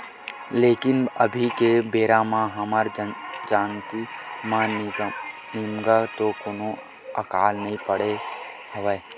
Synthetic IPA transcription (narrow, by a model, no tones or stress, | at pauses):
leːkɪnəbʱikebeːɾamãɦəmaɾd͡ʒaːnt̪imãn | nimɡat̪okono | əkaːlnəɦĩpəɽe | ɦəʋeː